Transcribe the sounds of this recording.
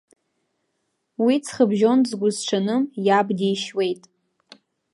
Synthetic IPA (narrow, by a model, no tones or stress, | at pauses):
wit͡sʰχəbʒo̞nzɡʷʊzʈ͡ʂʰanɨmjabdijʃwe̞jtʼ